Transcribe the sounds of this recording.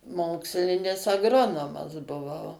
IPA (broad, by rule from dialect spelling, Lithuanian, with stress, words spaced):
ˈmoːksʲlʲɪnʲɪs ɐɡˈroːnoːmɐs bʊˈʋɐʊ